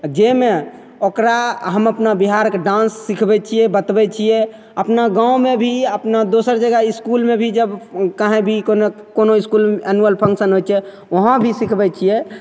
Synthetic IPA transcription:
d͡ʒeme | okɾaɦəməpnabiɦaɾkeɖãnsːikʰbɛt͡ʃʰijɛbət̪bɛt͡ʃʰijɛ | əpnaɡãõmebʱiəpnad̪osəɾd͡ʒəɡaiskulmebʱid͡ʒəbkaɦẽbʱikone | konoiskulɛnuəlpʰə̃ŋksənɦot͡ʃʰɛ | əɦə̃bʱisikʰbɛt͡ʃʰijɛ

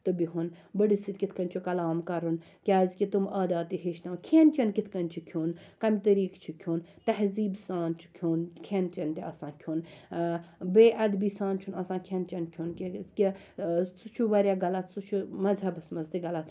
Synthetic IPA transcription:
t̪ɨbiɦunbəɽisit̪̚kʲit̪ʰkɐnʲt͡ʃʰukɐlaːmkɐɾun | kʲaːzkʲit̪umɐːd̪aːt̪ːiɦeːʃnɐʋkʰeːnt͡ʃɐnkit̪ʰkɐnʲt͡ʃʰukʰoːnkɐmʲt̪əɾiːkt͡ʃʰukʰoːnt̪ɐɦziːbsaːnt͡ʃʰu̥kʰoːnkʰent͡ʃɐnt̪eɐsãːkʲʰoːn | beːʔɐd̪biːsaːnt͡ʃʰunɐsãːkʰent͡ʃɐnkʲʰjunkʲikʲi | sut͡ʃʰuʋɐɾʲjaːɡɐlɐt̪ʰsut͡ʃʰumɐzɐbɐsmɐzd̪iɡɐlɐt̪ʰ

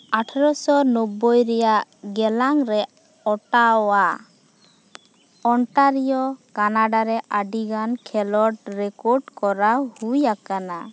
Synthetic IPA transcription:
aʈʰɔɾɔsɔnɔbɔjɾɛjaʔɡɛlaŋɾɛ | ɔʈaɔwa | ɔɳʈaɾijɔkanaɖaɾɛʔaɖiɡankʰɛlɔɾɖɾɛkɔɾɖkɔɾahujakana

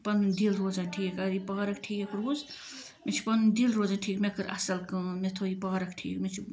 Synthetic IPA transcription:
pɐnd̪ilɾoːzanʈʰiːkɐɾipaːɾɐk̚ʈʰiːekɾoːz | met͡ʃʰi̥pɐnd̪ilɾoːzanʈʰiːkmekɨɾʔɐ̰sɐlkmet̪ʰoipaːɾɐkʈʰḭːkmet͡ʃʰi

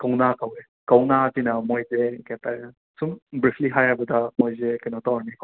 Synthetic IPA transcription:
kawnakawe | kawnatinamojzekɛtaɾ | sumbɾipʰliɦajabɐdamojzekajnɔtɔwnik

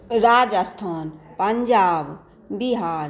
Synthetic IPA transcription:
ɾaːd͡ʒəst̪ʰaːnpəɲd͡ʒaːb | biɦaːɾ

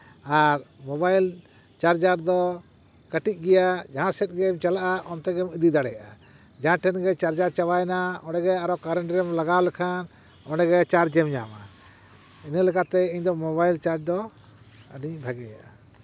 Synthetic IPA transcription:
aɾmɔbajl | t͡ʃaɾd͡ʒaɾd̪ɔ | kəʈic̚ˀɡɛjad͡ʒaɦãsɛt̪̚ˀɡɛmt͡ʃalaʔaʔɔnt̪ɛɡɛmid̪id̪aɽɛjaʔa | d͡ʒaɦãʈʰɛnɡɛt͡ʃaɾd͡ʒaɾt͡ʃawajnaɔnɛɡɛaɾɔkaɾɛɳɖɾɛmlaɡawlɛkʰan | ɔnɛɡɛt͡ʃaɾd͡ʒɛmɲa̰ma̰ | inəlɛkat̪ɛiɲd̪ɔmɔβajlt͡ʃaɾd͡ʒ̚d̪ɔ | aniɲbʱaɡɛja̰ʔa

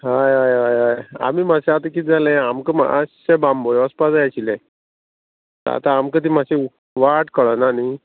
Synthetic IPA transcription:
ɦajajɦajɦaja̰miːmaɕaat̪əkit̪̚d͡zalẽamkəma̰a̰ɕɕebambojəspad͡zajat͡ɕilẽ | t̪a̰t̪aːmkət̪̬im̤aɕeu | ʋaʈkəɭanani

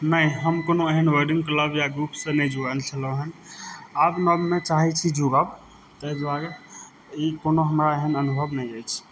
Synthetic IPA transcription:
nəjɦəmkonoeɦənʋəɾɖĩŋɡkləbjaɡɾupsə̃nəid͡ʒualt͡ʃʰəlõeɦənabnəmːet͡ʃaɦɛt͡ʃʰid͡ʒuɡab | t̪əɦd̪aɾɛ | ikonoɦəmɾaeɦənənubʱəbnəj̃əjt͡ʃʰ

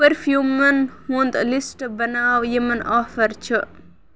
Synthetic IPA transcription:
pɐɾfjuːmɐnhũnd̪lisʈbɐnaːʋjemɐnʔaːfɐɾt͡ʃʰə

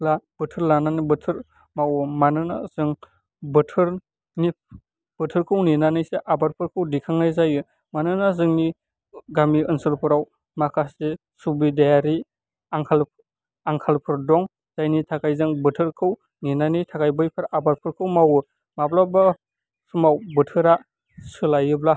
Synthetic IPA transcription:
lab̥ɯtʰɯɾlananibɯtʰɯɾ | mawɯmanɯnazɯŋ | bɯtʰɯɾ | ni | b̥ɯtʰɯɾkʰɯwninanɯjseʔabaɾpʰɯɾkʰɯwdikʰaŋlajzajɯ | manɯnazɯŋni | ɡamiɯnsɯlpʰɯɾaw | makʰase | subidajaɾi | aŋkʰal | aŋkʰalpʰɯɾdɔŋ | z̥ajnitʰakʰajzɯŋbɯtʰɯɾkʰɯw | ninanijtʰakajbɯjpʰaɾabaɾpʰɯɾkʰɯwmawɯ | maplaba | sumawbɯtʰɯɾa | sɯlajɯbla

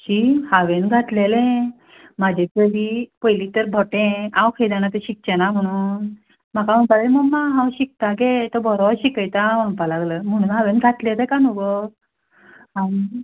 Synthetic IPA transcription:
ɕihaʋenɡʱat̪lelẽ | mad͡ʑʱet̪əɾipəjlit̪əɾbʱɔʈẽãwkʰəjd̪anat̪əɕik̚t͡ɕenam̤əɽ̃uːn | m̤akaʋə̃mpalleməɡmaɦãwɕik̚t̪aɡet̪əbɔɾɔɕikəjt̪aʋəmpalaɡləm̤əɽ̃uːnɦaʋenɡʱat̪let̪ẽkanuɡɔ | ani

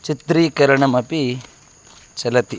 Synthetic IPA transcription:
t͡ʃit̪ɾikɐɾəɳɐmɐpi | t͡ʃɐlɐt̪i

